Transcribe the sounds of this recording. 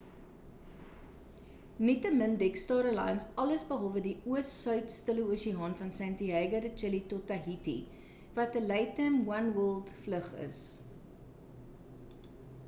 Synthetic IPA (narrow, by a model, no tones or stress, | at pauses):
nitəməndɛkstɑːɾəlɑ̰jnsɐləsbəɦɐlˠvədiuəssœɥtstələuəʃiɑnfɐnsɛntiɦɛjɡədət͡ʃɛlitɔtɐɦitḭ | vɐtəlɛjtəmwɐnwɜlˠdfləχə̰s